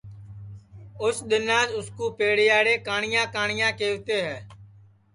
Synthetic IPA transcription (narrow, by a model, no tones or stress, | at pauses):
ʊsɗ̪ɪnãːd͡ʒʊskuːpeːɽɪjaːɽeːkaːɳɪjãːkaːɳɪjãːkeːʋt̪eːɦɛː